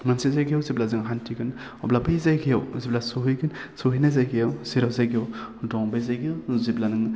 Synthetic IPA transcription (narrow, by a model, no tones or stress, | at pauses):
mansizajɡijɔwziblazɯŋɦantʰiɡɯn | ɔblabɯjzajɡʰijawziblasuɦɯjɡɯnsuɦijnazajɡijawsiɾawzajɡowdɔŋbajzajɡiɔwziblanɯŋ